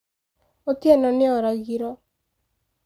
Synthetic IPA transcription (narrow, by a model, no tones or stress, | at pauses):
ot̪iɛnɔnɪɔɾaɡiɾɔ